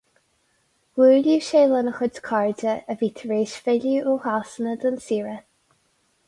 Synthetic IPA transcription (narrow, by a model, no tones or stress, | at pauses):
wuːljuʃeːlənəxədkʰaɹdəəviːt̪ʰəɹeːʃfɪljuʔohasənəd̪ənsiːɹə